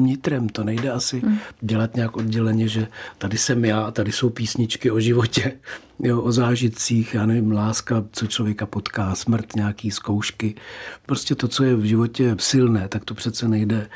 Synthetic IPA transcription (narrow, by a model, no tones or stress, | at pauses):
mɲɪt̪ɾɛmt̪o̞nɛjdɛasɪɟɛlat̪ɲɛakʔo̞d̚ɟɛlɛɲɛʒɛt̪adɪsɛmjaːt̪adɪso̞wpiːsɲɪt͡ʃkɪoʒɪvo̞cɛ | joʔozaːʒɪt̪t͡siːxjaːnɛvɪmlaːskat͡so̞t͡ʃlo̞vjɛkapot̪kaːsmr̩t̪ɲɛakiːsko̞wʃkɪpɾoscɛt̪o̞t͡so̞jɛvʒɪvo̞cɛsɪlnɛːt̪akt̪opr̥ɛt̪t͡sɛnɛjdɛ